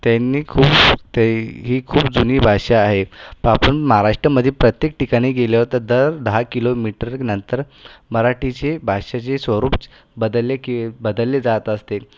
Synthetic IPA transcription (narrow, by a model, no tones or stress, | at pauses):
t̪janːiːkʰuːpt̪eɦiːkʰuːp̚d͡zuniːbʱaɕaːɦepəapəɳmaɦaɾaʂʈɾəməd̪ʱːjepɾət̪jek̚ʈikaɽ̃iɡeljaʋəɾt̪əɾd̪əɾd̪əɦakilomiʈəɾnənt̪əɾ | məɾaʈit͡ɕebʱaʂat͡ɕesʋəɾuːp | bəd̪lekebəd̪əlːed͡zat̪əst̪e